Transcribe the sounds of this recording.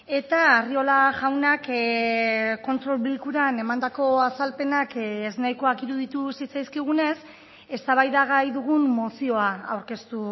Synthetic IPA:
e̞t̪aerio̞laʝawnak | ko̞nt̪ɾo̞lβilkuɾane̞mand̪ako̞asalpe̞nakeznajko̞akiɾuðit̪usit͡sajskiɣ̞une̞s | e̞st̪aβajðaɣajðuɣ̞umːo̞sio̞aawɾke̞st̪u

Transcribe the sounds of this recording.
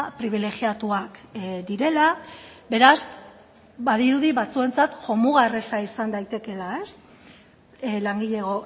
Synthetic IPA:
pɾiβ̞ile̞ɣiat̪uakd̪iɾe̞labe̞ɾaz | baðiɾuðiβat͡sue̞nt͡sat̪ʝo̞muɣaresaisand̪ajt̪e̞ke̞lae̞s | laŋɡiʎeɣ̞o̞

